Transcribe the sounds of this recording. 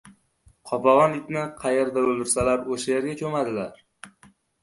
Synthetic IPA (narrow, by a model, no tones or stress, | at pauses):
qʰɒpɒʁɒnɪt̪nɪqʰɑjeɾd̪aɵlˠd̪ɪɾsalaɾoʃajeɾɡʲakʲʰɵmad̪ɪlaɾ